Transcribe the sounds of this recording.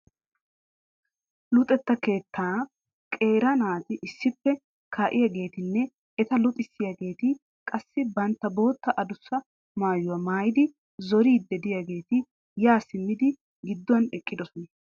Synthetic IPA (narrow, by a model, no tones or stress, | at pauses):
lʊt̪ʼɛt̪ːɐke̞ːt̪ʰːaː | kʼe̞ːɾɐnaːt̪ɪʔɪsːɪpːɛ | kʰaːʔɪjaɡe̞ːt̪ɪnːɛ | ɛt̪ɐlʊt̪ʼɪsːɪjaɡe̞ːt̪ɪ | kʼɐsːɪbɐnt̪ːɐbo̞ːt̪ːɐʔɐd̪ʊsːɐ | maːjʊwɐmaːjɪd̪ɪ | zɔɾiːd̪ːɛd̪ɪjaɡe̞ːt̪ɪ | jaːsɪmːɪd̪ɪ | ɡɪd̪ːʊwɐnɛkʼːɪd̪ɔsɔnɐ